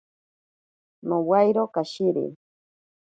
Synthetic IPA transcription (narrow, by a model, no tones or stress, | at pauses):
nowajɾokaʃiɾḭ